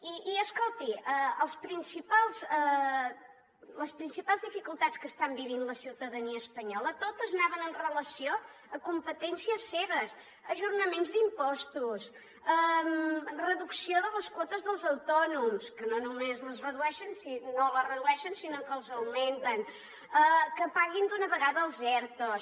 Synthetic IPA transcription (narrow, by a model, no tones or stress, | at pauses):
iːəskolˠt̪iəəlˠspɾinsipalˠzə | ləspɾinsipalˠzðifikulˠt̪at̪skəst̪ambiβinləsiwt̪əðəniəːspəɲɔlət̪ot̪əznaβənənrələsijo | əkumpət̪ɛnsiəsːeβəs | əʒurnəmenzd̪impɔst̪us | əmrəðuksioðələskwɔt̪əzðəlˠzəwt̪ɔnumskənonumezləzrəðuɛʃənsinolərəðuɛʃənsinokəlˠzəwment̪ən | əkəpaɣind̪unəβəɣaðəːlˠzɛɾt̪os